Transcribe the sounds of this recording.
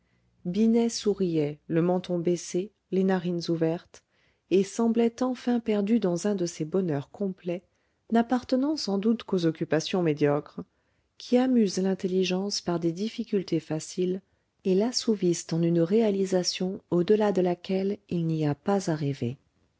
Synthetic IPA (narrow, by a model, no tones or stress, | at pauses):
binɛsuʁijɛləmɑ̃t̪ɔ̃bese | lenaʁinzuvɛʁt̪ | esɑ̃blɛt̪ɑ̃fɛ̃pɛʁd̪yd̪ɑ̃zɛ̃d̪əsebɔnœʁkʰɔ̃plɛ | napaʁt̪ənɑ̃sɑ̃d̪ut̪kozɔkʲypasjɔ̃med̪jɔkχ | kʲʰiamyzlɛ̃t̪eliʒɑ̃spaʁd̪ed̪ifikʲylt̪efasil | elasuvist̪ɑ̃nynʁealizasjɔ̃od̪əlad̪əlakʲɛlilniapazaʁivḛ